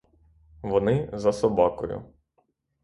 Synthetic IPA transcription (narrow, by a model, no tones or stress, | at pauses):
ʋɔnɪzɐsɔbɑkɔ̰jʊ̰